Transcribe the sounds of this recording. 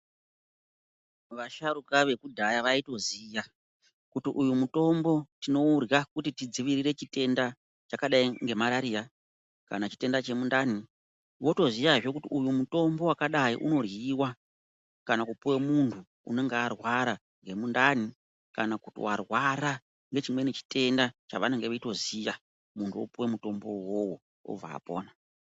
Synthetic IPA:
ʋaʃaɾukaʋe̞kudʱajaʋaito̞ziːja | kutiʔujumuto̞mbo̞tino̞urjakutitid͡ziʋiɾiɾe̞t͡ʃite̞nda | t͡ʃakaɗaiŋɡemaɾaɾiːɾa | ka̰nat͡ʃi̥te̞ndat͡ʃe̞mundaːni | ʋo̞to̞zijaʐo̞kutiujumuto̞mbo̞wakaɗaḭʔuno̞rjiwa | kanakupuwemuntʰu | ṵne̞ŋɡearwaɾa | ŋɡe̞mundani | kanakutḭwarwaɾa | ŋɡe̞t͡ʃimwe̞net͡ʃi̥te̞ndat͡ʃaʋaneŋɡeʋeito̞zija | muntʰuo̰puwemuto̞mbo̞wowo̞ | o̰b͡va̰ːpo̞̰ːna

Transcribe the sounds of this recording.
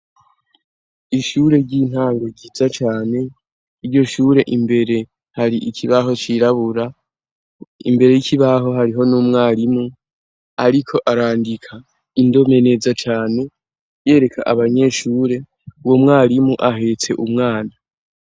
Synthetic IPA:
iʃuɾe̞ɾɟiːn̥haːŋɡo̞ɟizat͡ʃaːne̞ | iɾɟo̞ʃuːɾe̞ʔimbe̞ɾe̞ | haɾiʔikʰiβaɦo̞t͡ʃiɾaβuɾa | ḭmbe̞ɾe̞jicʰiβaɦo̞ɦaɾiɦo̞numŋaːɾimu | aɾikʰo̞ʔaɾaːndikʰa | indo̞me̞ne̞zat͡ʃaːne̞ | je̞ːɾe̞kʰa̰ʔaβaɲe̞ːʃuːɾe̞ | womŋaːɾimuʔaɦe̞t͡se̞̰ʔumŋaːna

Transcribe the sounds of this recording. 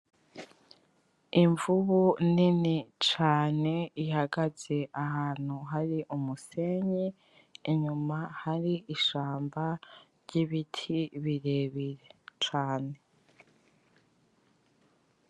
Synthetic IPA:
iɱvuβuninit͡ʃaːne̞ihaɡaze̞ʔahaːn̥huɦaɾiʔumuse̞ːɲiː | ɲumahaɾiʔiʃaːmbaɾɟiβitʰiβiɾe̞βiɾet͡ʃaːne̞

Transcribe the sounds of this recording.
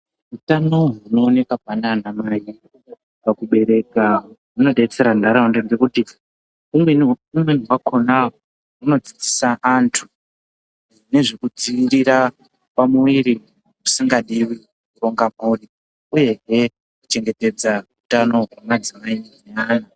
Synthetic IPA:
ɦutano̞ɦuno̞ːne̞kapananamaji | pakuɓe̞ɾe̞kamuno̞ɗet͡se̞ɾandaɾaundeŋɡekuti | umweumweniwako̞naɦ | uno̞d͡zid͡zi̥saʔantʰu | ʐine̞ʐekud͡ziʋiɾiɾa | pamuwiɾi | musiŋɡaɗiwi | kuro̞ŋɡamuri | uje̞ɦe̞ | kut͡ʃe̞ŋɡe̞te̞d͡zaɦutano̞ɦwamad͡zimainnaɲa

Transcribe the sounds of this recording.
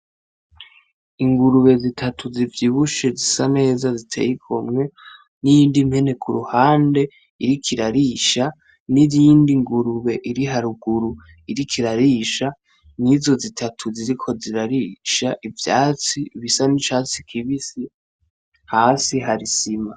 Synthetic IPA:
iŋɡuɾuβe̞zitʰatʰuzivjiβuʃe̞zisane̞ːzazitʰe̞̰ːjikʰomŋe̞ | nijiːndimhe̞ne̞kʰuɾuhaːnde̞ | iɾikʰiɾaɾiʃa | niɾiːndiŋɡuɾuβe̞ʔiɾiɦaɾuɡuɾu | iɾikʰiɾaɾiːʃa | nizo̞zitʰatʰuziɾikʰo̞ziɾaɾiːʃaʔivja̰ːt͡siːβisanit͡ʃaːt͡si̥kʰiβisi | haːsiɦaɾisima

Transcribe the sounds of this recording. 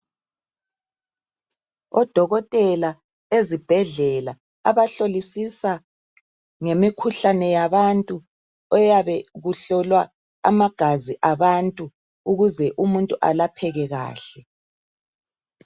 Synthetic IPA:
ɔd̥ʱɔɣɔtʼɛla | ezib̥ʱɛɮɛla | a̰βaɬolisisa | ŋemikʰuɬanɛjaβantʼu | ɔjaβɛɣuɬɔlwa | a̰maɡ̥ʱaziʔaβantʼu | uɣuzɛʔumuntʼuʔa̰lapʰɛɣɛɣa̰ːɬɛ

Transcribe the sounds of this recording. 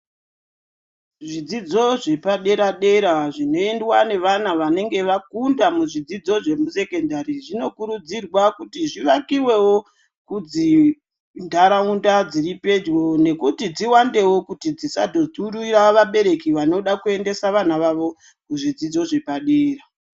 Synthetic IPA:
ʐid͡zid͡zo̞ʐe̞paɗe̞ɾaɗe̞ɾaʐino̞e̞ndwane̞ʋan̤aʋane̞ŋɡe̞ʋakundamuʐid͡zid͡zo̞ʐe̞muse̞ke̞ndaɾiʐino̞kuɾud͡zirwakutiʐiʋakiwe̞wo̞ | kud͡zi | ndaɾaundad͡ziripe̞d͡ʒwo̞ne̞kutid͡ziwande̞wo̞kutid͡zisa̰dʱo̞d͡zuɾuiraʋaɓe̞ɾe̞kiʋano̞ɗakue̞nde̞saʋan̤aʋaʋo̞ | kuʐid͡zid͡zo̞ʐe̞paɗe̞ːra

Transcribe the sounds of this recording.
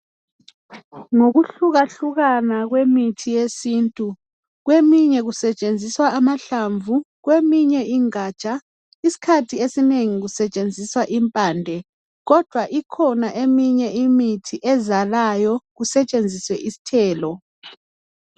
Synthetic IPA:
ŋoɣuɬuɣaɬuɣanaɣwemitʰijesiːntʼu | ɣwemiɲɛɣusɛt͡ʃʼend͡zʱiswaːmaɬaɱvu | ɣwemiɲɛʔiŋat͡ʃʼa | isi̥kʰatʰiesineŋiɣusɛt͡ʃʼend͡zʱiswaʔimpʼaːndʱɛ | ɣɔd̥ʱwaʔikʰɔnaʔemiɲɛʔimitʰiʔɛzalajɔɣusɛt͡ʃʼend͡zʱiswɛʔisi̥tʰɛːlɔ

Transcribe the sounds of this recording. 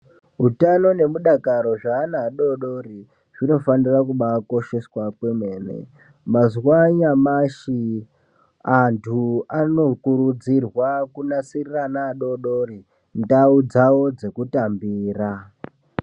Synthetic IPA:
ɦutano̞ne̞muɗakaɾo̞ʐaːnaːɗo̞ɗoɾi | ʐ̥ino̞fanirakuɓako̞ʃe̞swakwe̞mwe̞ːnḛ | mazwaɲamaʃi | antʰuano̞kuɾud͡zirwakunasiriranaːɗo̞ɗoɾi | ndaud͡zawo̞d͡ze̞kutambiːra

